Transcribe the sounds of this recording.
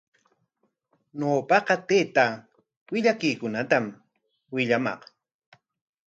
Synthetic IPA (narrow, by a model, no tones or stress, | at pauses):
noːpɑqɑt̪eːt̪a | wɪʎakɪjkʊnat̪am | wɪʎamɑ̰q